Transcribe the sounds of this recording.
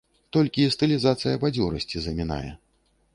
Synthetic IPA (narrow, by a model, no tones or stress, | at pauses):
t̪ɔlʲkʲiːst̪ɨlʲizat̪sɨjɐbad͡zʲɔɾɐsʲt͡sʲizɐmʲina̰jɛ̰